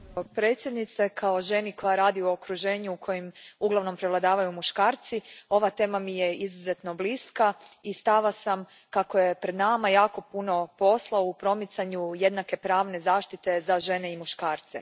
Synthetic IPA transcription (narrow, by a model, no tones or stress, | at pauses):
pɾe̞ːt̪sʲjed̪nit̪sekʰao̞ʒe̞niko̞jaɾaːd̪iookɾuʒeːɲuukʰo̞jimuɡlˠaʋno̞mpɾeʋlad̪aːʋajumuʃkaːɾt̪sio̞ʋat̪e̞ːmamijeizuze̞t̪no̞bliskaist̪aʋasam | kakoje̞pɾe̞d̪namajaːko̞puno̞po̞slˠaoupɾo̞mit̪saɲuje̞d̪nake̞pɾaːʋne̞zaːʃt̪it̪e̞zaʒe̞ne̞imuʃkaːɾt̪sḛ